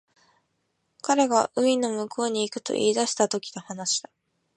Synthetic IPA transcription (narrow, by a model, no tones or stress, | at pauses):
kaɾe̞ɡaʔɯ̟ino̞mɯ̟ko̞ːɲ̟iːkɯ̟̥t̪o̞̰ʔḭːd̪aɕi̥t̪at̪o̞kʲi̥nohanaɕi̥d̪a